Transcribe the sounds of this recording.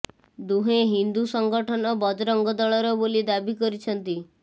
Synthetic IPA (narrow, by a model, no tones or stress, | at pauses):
d̪uɦeɦind̪usɔŋɡɔʈʰɔnɔbɔd̪ɾɔŋɡɔd̪ɔɭɔɾɔbolid̪abikɔɾit͡ʃʰɔnt̪i